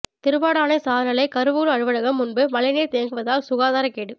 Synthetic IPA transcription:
t̪ɪɾɯʋaːɽaːnɐɪsaːðɐnɐlɐɪkɐɾɯʋuːɾɯɐɻɯʋɐɻɐɣɐmːʊnbɯmɐlɐɪneːt̪eːŋɡɯʋɐðaːlsʊɣaːðaːɾɐkeːɽɯ

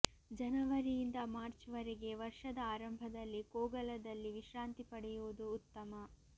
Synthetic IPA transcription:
d͡ʒɐnɐʋɐɾijind̪ɐmaːɾt͡ʃʋɐɾeɡe̞ʋɐɾʂɐd̪ɐaːɾɐmbʱɐd̪ɐlːikoːɡɐlɐd̪ɐlːiʋiʃɾaːnt̪ipɐɽɛjuʋud̪uːt̪ːɐmɐ

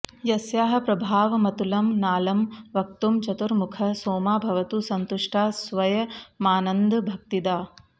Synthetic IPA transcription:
jɐsjaːɦɐ̆pɾɐbʱaːʋɐmɐt̪ulɐmnaːlɐmʋɐk̚t̪umt͡ʃɐt̪uɾmukʰɐsoːmaːbʱɐʋɐt̪usɐnt̪uʂʈaːsʋɐjɐmaːnɐnd̪bʱɐk̚t̪id̪aː

